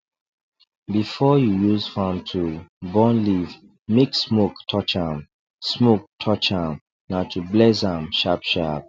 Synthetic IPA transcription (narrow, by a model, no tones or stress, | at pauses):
bifɔjujuzfãmtʰubɔ̃nliv | meksmoktʰɔt͡ʃãm | smok̚tʰɔt͡ʃãm | natʰublɛs̬ãmʃapʃap̚